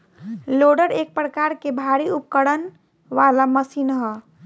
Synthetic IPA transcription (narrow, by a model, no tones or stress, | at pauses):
loɖəɾek̚pɾəkaɾkebʱaɾiupkəɽən | ʋalaməsinɦɔ